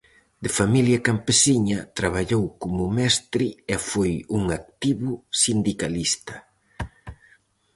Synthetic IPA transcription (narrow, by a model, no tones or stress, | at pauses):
d̪ɪfamiljɐkampesiɲɐt̪ɾaβ̞aʎowkomʊmɛst̪ɾɪefojuŋak̚t̪iβʊsind̪ikalist̪ɐ